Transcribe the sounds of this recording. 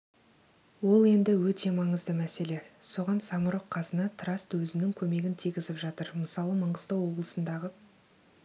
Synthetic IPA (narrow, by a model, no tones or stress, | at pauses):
wo̞lˠe̞nd̪ɪwɵt̪ʰe̞mɑɴəzd̪əmæse̞le̞so̞ʁɑnsɑməɾoqʰːɑzənɑt̪ʰɾɑst̪wɵzɪnɪŋkʲʰɵme̞ɡʲɪnt̪ʰijɡʲɪzɪpʒɑt̪əɾməsɑlˠəməɴʁəst̪əwo̞blˠəsənd̪ɑʁə